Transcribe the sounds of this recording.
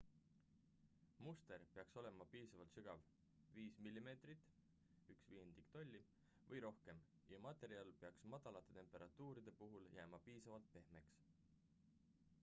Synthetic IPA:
must̪e̞ɾpeɑkso̞le̞mɑpiːsɑvɑlt̪sɯɡ̥ɑv | viːsmilʲːime̞ːt̪rit̪ːˑ | yksviːend̪̥ikt̪o̞lʲːi | vɤjɾo̞hke̞m | jɑmɑt̪ˑe̞ɾiɑlpeɑksmɑd̪̥ɑlɑt̪ːˑe̞t̪e̞mpˑe̞ɾʔɑt̪ːuːɾid̪̥e̞puɦuljæːmɑpiːsɑvɑlt̪̚pe̞hme̞ks

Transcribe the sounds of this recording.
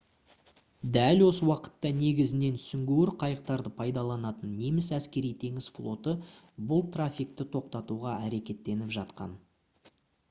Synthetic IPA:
d̪ælwo̞səwɑqə̥t̪ːɑne̞ɡʲɪzɪne̞nʰsʏŋɡʲewɪɾqʰɑjəq̚t̪ɑɾd̪əpʰɑjd̪ɑlˠɑnɑt̪ənːe̞mɪsæskʲe̞ɾijt̪ʰe̞ŋɪsflˠo̞t̪ə | bʊlˠt̪rafʲik̚t̪ɪt̪ʰo̞q̚t̪ɑt̪uʁɑæɾe̞kʲe̞t̪ːe̞nɪpʒɑt̪qɑ̰n

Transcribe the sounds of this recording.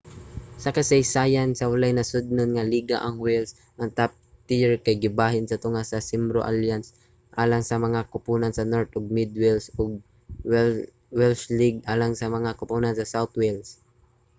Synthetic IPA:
sɐkɐsɐjsaːjansɐwɐlajnɐsʊd̪̚nonŋaliɡa̰ʔɐŋwɛls | ʔɐŋt̪ap̚ | t̪ɪjɛɹkajɡɪbaːɦɪnsɐt̪ʊŋasɐsɪmbɾoʔaljans | ʔaːlaŋsɐmɐŋakʊpuːnɐnsɐnoɾt̪oɡ̚mɪd̪wɛlsoɡ̚ | wɛlsliɡʔaːlaŋsɐmɐŋakʊpunansɐsawt̪wɛls

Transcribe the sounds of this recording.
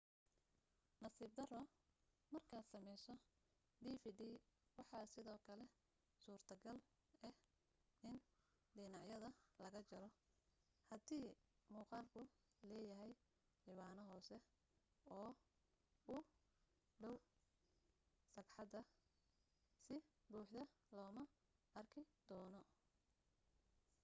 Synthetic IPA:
nɐsiːb̚d̪ɐrɔ | mɐrkʰaːd̪sɐmɛjsɔ | ɖ̪iːfiːdiːwɑħɑːsɪðɔːkʰɐlɛ | suːrt̪ʰɐɡɐl | ɛ | ɪn | ɖɪnɑʕjɐðɐlɐɣɐt͡ʃɐɾɔ | hɐd̪iːmuːqɑːlkʰʊ | lɛːjɐɦɛj | lɪβaːnɔɦɔːsɛ | ɔː | ʊ | ɖɐw | sɐɡħɑd̪ɐ | sɪbuːħd̪ɐ | lɔːmɐ | ɐrkʰɪd̪̥ɔːnɔ

